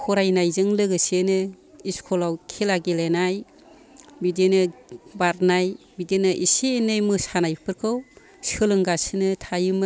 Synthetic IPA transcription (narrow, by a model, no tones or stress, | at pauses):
kʰɔɾajnajzɯŋlɯɡɯsenɯ | iskʰɔlawkʰelaɡelenaj | bidenɯbaɾnaj | bidenɯʔisenɯjmɯsanajpʰɯɾkʰɯw | sɯlɯŋɡasɯnɯtʰajɯmɯ